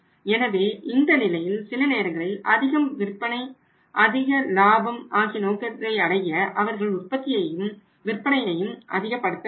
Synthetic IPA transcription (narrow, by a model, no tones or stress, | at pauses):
ɛnɐʋeːʔɪnd̪ɐnɪlɐjɪlsɪlɯneːɾɐŋɡɐɭɪlɐ̰ðɪɣɐmʋɪɾpːɐnɐɪ | ʔɐðɪɣɐlaːbɐmʔaːɣinoːkɐt̪ɪɾɐɪɐɽɐjɐʔɐʋɐɾɣɐɭʊr̚pɐt̪ːɪjɐjɯm | ʋɪrpːɐɳɐjɐjɯmʔɐðɪɣɐpːɐɽɯt̪ːɐ